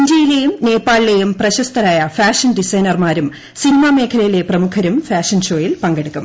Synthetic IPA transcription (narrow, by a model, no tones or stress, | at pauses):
ɲd͡ʑijilejumne̞ːpːaːɭːejumprɐɕɐst̪ʰɐɾaːjɐfaːʂɐnɖisɐjnɐrmaːɾum | sinimame̞ːkʰɐlɐjile̞prɐmukʰɐɾumfaːʂɐnɕo̞ːjilpɐŋɡɐɽukːum